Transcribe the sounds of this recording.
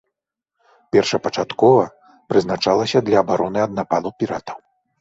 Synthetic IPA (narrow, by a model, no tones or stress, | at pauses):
pʲɛrʂɐpɐt͡ʂat̪kɔvɐ | pɾɨznat͡ʂalˠɐsʲɐd̪lʲɐːbaɾɔnɨɐd̪napalˠɐwpʲiɾat̪ɐw